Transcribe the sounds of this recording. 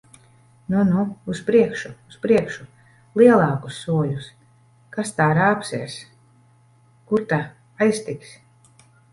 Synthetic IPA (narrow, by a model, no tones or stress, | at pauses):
nunuːspɾiɛkʃuuspɾiɛkʃu | lˠiɛlˠɑːku̥sːuɔlʲus | kast̪aːɾaːpsɛːɾs | kuɾt̪a | ajst̪iks